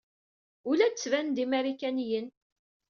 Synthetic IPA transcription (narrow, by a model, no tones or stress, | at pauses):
ulæt͡sːvænd̪imæɾikænijən